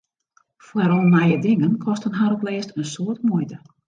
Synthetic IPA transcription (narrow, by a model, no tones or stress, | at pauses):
fwɛɾɔnnajədɪŋənkʰɔstənɦaɾɔplɪːstənsoətmujtə